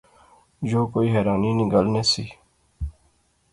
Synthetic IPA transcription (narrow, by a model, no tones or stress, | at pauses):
joːkoːiːɦɛːɾaːniːnɪɡəlneːsiː